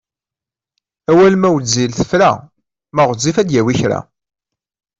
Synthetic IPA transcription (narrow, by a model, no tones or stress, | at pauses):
æwælmæwd͡zːilθə̥fɾæ̰ | mæʁəzːifæd̪jæwiçɾa̰